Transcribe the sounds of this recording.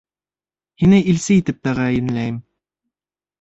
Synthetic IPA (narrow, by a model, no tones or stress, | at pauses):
hinɘʔilsɘit̪ɘp̚t̪æʁæjɘ̆nlæjɘm